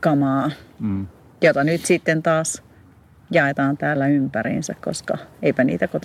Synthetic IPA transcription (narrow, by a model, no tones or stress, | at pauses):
kɑmɑː | jot̪ɑnyt̪sit̪ːent̪ɑːs | jɑet̪ɑːnt̪æːlːæympæɾḭnsækko̰skɑ̰eipænḭːt̪ækot̪